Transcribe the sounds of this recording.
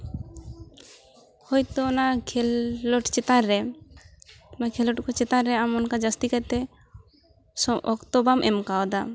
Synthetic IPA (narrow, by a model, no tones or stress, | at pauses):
hojt̪oɔnakʰɛlːɔʈt͡ʃet̪aɾɛ | makʰɛlɔʈkɔt͡ʃet̪aɾɾɛamɔnkad͡ʒast̪ikat̪ɛ | sɔʔɔ̰kt̪ɔbamʔɛmkaɔd̪a